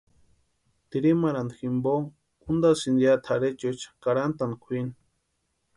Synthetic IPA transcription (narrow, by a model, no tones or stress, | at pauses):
t̪iɾimaɾand̪ximbo | und̪asind̪ijat̪ʰaɾet͡ʃot͡ʃḁkaɾant̪ankʰʷini